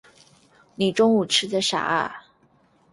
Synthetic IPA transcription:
ni˨˩ʈ͡ʂʊ˥ŋu˨˩ʈ͡ʂʰɻ̩˥t͡sə˨˩ʂa̰˨˩a̰˥˩

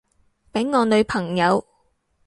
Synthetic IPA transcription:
pe˨˥ŋŋɔː˨˧nɵ˨˧ɥpʰɐ˨˩ŋjɐ˨˧w

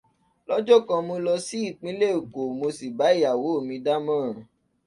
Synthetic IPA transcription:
lɔ˦d͡ʒɔ˦˨kã˧mũ˧lɔ˧si˦i˦˨k͡pĩ˨˦le˦˨u˨ko˨mo˧si˨ba˨˦i˦˨ja˨wo˨˦o˦˨mĩ˧da˦mãː˦˨

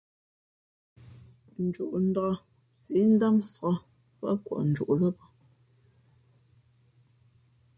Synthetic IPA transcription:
n̩˨d͡ʒu˨ʔn̩˨da˨a˦ | si˨˦n̩˦da˦msa˦ | fa˦kwa̰˨ʔn̩˨d͡ʒṵ˨ʔlə˦pa˦

